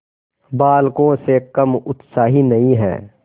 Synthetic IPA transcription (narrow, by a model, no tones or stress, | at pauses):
baːlkõsekɐmʊt̪saːɦinɐĩɦɛ̰ː